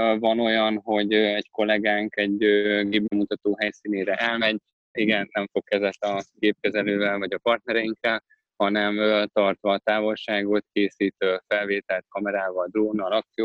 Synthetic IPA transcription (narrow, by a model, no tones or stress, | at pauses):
vɒno̞jɒnɦo̞ɟøɛɟko̞lɛɡaːŋkɛɟøɡeːbbɛmut̪ɒt̪oːɦɛjsiːneːɾɛʔɛlmɛɟ | iɡɛnːɛɱfo̞kːɛzɛt̪ɒkeːp̚kɛzɛløːvɛlvɒɟɒpɒrt̪nɛɾɛjiŋkːɛl | hɒnɛmøt̪ɒrt̪ʋɒːt̪aːvo̞lʃaːɡo̞t̪keːsiːt̪øfɛlveːt̪ɛlt̪̚kɒmɛɾaːvɒld̪roːnːɒlɒkt̪sijoː